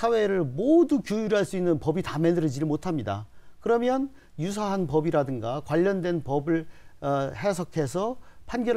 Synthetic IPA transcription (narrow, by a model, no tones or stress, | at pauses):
sʰawe̞ɾɯɭmodukjujuɾɦaɭs͈uinːɯnpʌbitame̞dɯɾɯd͡ʑidɭmotʰamɲida̰kɯɾʌmjʌn | jusʰaɦanpʌbiɾadɯŋɡakwaʎːʌndwe̞npʌbɯɭ | he̞sʰʌkʰe̞sʰʌpʰanɡjʌ